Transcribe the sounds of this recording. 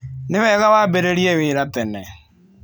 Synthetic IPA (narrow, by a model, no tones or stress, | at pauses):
nɪβɛːɣawaːbeɾeɾiewɪːɾat̪ɛnɛ